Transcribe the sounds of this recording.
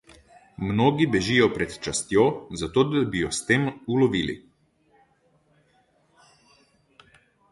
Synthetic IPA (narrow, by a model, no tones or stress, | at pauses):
mnoːɡibɛʒijɔpɾɛt̪t͡ʃast̪joːzat̪oːd̪abijɔst̪eːmulɔʋiːlḭ